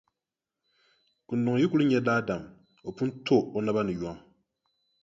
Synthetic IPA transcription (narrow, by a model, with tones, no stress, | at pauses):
ku˨ndʊ˨ŋ˨ji˦ku˦lɨ˦ɲɛ˦daː˦da˨m | o˨pu˦n˦tʰo˦o˨na˦ba˦nɨ˨ja˦ŋ